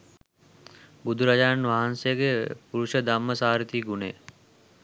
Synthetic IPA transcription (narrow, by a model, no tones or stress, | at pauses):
bud̪ʱuɾad͡ʒaːnʋaɦansejəɡepuɾuʃəd̪amːəsaːɾit̪iːɡunḛː